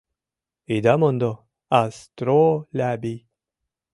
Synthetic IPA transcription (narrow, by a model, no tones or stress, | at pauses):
id̪amond̪o | ast̪ɾolabi